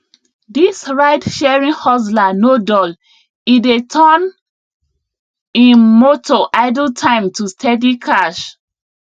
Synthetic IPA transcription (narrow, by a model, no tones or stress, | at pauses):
disɹaɪdʃɛɹĩnhɔslanodɔl | idetʰɔn | ĩnmotʰoʔaɪdltʰãɪ̃mtʰustʰɛdikʰaʃ